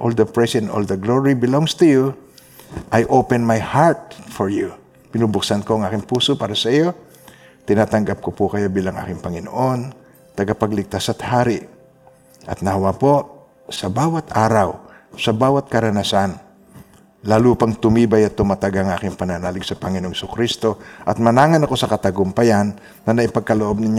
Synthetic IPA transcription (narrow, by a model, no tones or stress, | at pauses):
ʔold̪ɐpɹɛsɛno̰ld̪ɐɡloɹibɪloŋst̪ʊju | ʔajʔowpɛnmajhaɹt̪̚fɔɹju | pɪnubʊksankoʔɐŋʔaːkɪŋpuːsopaːɾɐsɐʔijo̞ | t̪ɪnaːt̪ɐŋɡap̚kopʊkɐjobiːlɐŋʔa̰ːkɪŋpɐŋɪnoʔo̞n | t̪ɐɡapɐɡlɪɡ̚t̪asɐt̪haːɾɪʔ | ʔɐt̪̚nɐhɐwapo | sɐbaːwɐt̪aːɾaw | sɐbaːwɐt̪̚kɐɾɐnasan | laːlupɐŋt̪ʊmiːbajɐt̪ːʊmat̪aɡaɐŋʔaːkɪŋpɐnanaːlɪɡsɐpɐŋɪnooŋhsʊkɾist̪o̞ʔɐt̪̚mɐnaːŋɐnɐko̞sɐkɐt̪ɐɡʊmpɐjanː | ɐnɐʔɪpɐɡ̚kɐloʔb̚nɪɲ